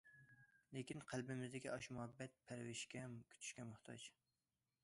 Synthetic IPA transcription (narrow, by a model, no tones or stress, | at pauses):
lekʲinqʰælbɪmɪzd̪ɪkʲiɑʃmuhɛbːɛt̪̚pʰæɾwɪʃkʲʰɛkʲʰy̥t͡ʃ̪ʰy̥ʃkʲɛmʊχt̪ʰɑ̰t͡ʃ